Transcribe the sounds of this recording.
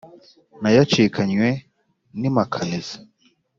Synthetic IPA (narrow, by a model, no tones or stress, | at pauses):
najat͡ʃikʰaɲwe | nimakʰanezḁ